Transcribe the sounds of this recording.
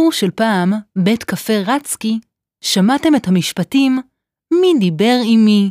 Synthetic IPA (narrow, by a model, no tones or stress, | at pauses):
uʃelpaːmbe̞tkafe̞ʁat͡ski | ʃamate̞me̞thamiʃpatimː | idibe̞ʁimi